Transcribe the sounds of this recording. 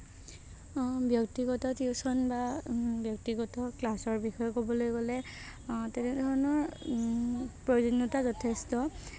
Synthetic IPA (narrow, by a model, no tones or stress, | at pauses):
bjɔktiɡɔtɔtiusɔnbabjɔk̚tiɡɔtɔklasɔɹbixɔjɔkobɔlojɡɔlɛ | tɛnɛdʱɔɹɔnɔɹ | pɹɔd͡ʒinːɔtazɔtʰestɔ